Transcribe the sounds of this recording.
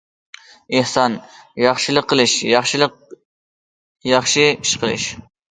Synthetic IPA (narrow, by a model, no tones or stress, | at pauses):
ɨhsɑnjɑχʃɪlˠəqʰːəlˠɨʃjɑχʃlq | jɑχʃiiʃqʰəlˠɨ̰ʃ